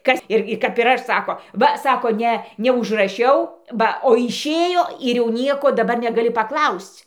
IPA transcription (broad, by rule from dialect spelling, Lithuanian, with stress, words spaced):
ˈkɐs ˈɪrʲɡʲɪ kɐp ɪr ˈɐʃ ˈsɑːkoː ˈʋɐ ˈsɑːkoː ˈnʲɛ nʲɛʊʒrɐˈʃʲɛʊ ˈbɐ oː ɪʃʲˈeːjoː ɪr jɛʊ ˈnʲiɛkoː dɐˈbɐr nʲɛɡɐˈlʲɪ pɐˈklˠɐʊsʲt͡sʲ